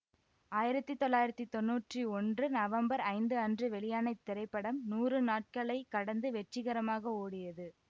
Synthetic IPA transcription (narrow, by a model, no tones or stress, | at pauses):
aːjɪɾɐt̪ːɯt̪ːɔlːaːjɪɾɐt̪ːit̪ɔnːuːʈriɔndrɯnɐʋɐmbɐɾɐɪnd̪ɯɐndrɯʋɛɭɪjaːnɐɪt̪ːɪɾɐɪpːɐɽɐmnuːrɯnaːʈ̚kɐɭɐɪkːɐɽɐnd̪ɯʋɛʈrɪɣɐɾɐmaːɣɐoːɽɪjɐðɯ